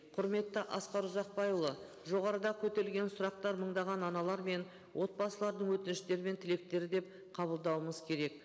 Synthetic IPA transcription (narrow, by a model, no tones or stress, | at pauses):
qʰʊɾme̞t̪ːəʔɑsqɑɾʊzɑq̚pɑjulˠə | ʒo̞ʁɑɾəd̪ɑkʲʰɵt̪eɾɪlɡʲe̞nsʊɾɑq̚t̪ɑɾməɴd̪ɑʁɑnɑnɑlˠɑɾme̞n | wʔo̞t̪̚bɑsəlˠɑɾd̪əɴwɵt̪ɪnɪʃt̪e̞ɾɪme̞nt̪ʰɪle̞k̚t̪e̞ɾɪd̪e̞p | qʰɑbəlˠd̪ɑwəməz̥kʲʰe̞ɾe̞k̚